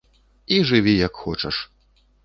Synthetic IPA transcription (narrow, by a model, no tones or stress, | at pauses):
iʐɨvʲijɐkxɔt͡ʂɐʂ